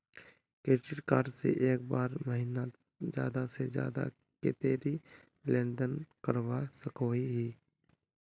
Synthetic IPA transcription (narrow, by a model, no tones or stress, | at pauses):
keːʈɪʈkaːɾɖsḛʔeːk̚baːɾməɦina | d͡ʒja̰ːd̪ased͡ʒja̰ːd̪a̰ | kḛt̪eːɾi | lẽːnd̪ənkəɾʋasəkoːiɦiː